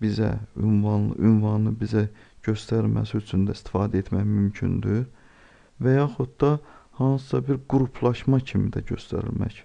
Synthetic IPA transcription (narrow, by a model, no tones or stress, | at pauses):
bizæ̰ynvɑn̰ʔynvɑnlˠɯbizæɟ̥ø̞st̪æɾilmæ̰siyt͡ʃʰynd̪æist̪i̥fɑːd̪æet̪ʰmæçmymcʰy̰nd̪yɾ | væjɑːxut̪̚d̪ɑhɑnsɯ̥sɑbiɾɡuɾupʰlˠɑʃmɑcʰimid̪æɟø̞st̪æ̰ɾḭlmæ̰ç